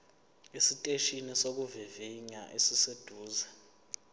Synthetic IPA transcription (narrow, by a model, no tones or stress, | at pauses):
isitʼeʃinisok̬uviviɲa̰ʔesised̥ʱuːzɛ